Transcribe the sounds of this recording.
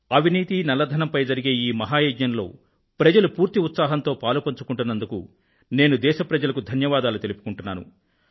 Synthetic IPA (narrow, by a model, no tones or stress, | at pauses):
ɐʋʱiniːt̪inɐlɐd̪ʱɐnɐmpɐjd͡ʒɐɾiɡe̞ːiːmɐɦaːjeːd͡ʒɲɐnlo̞̰ː | pɾɐd͡ʒɐlupuːɾt̪iut̪saːɦɐnt̪o̞ːpaːlupɐɲt͡ʃukuɳʈunːɐnd̪ukṵ | ne̞ːnud̪ɛːʃɐpɾɐd͡ʒɐlɐkud̪ʱɐnjɐʋaːd̪aːlut̪e̞lipu̥kuɳʈunːaːnṵ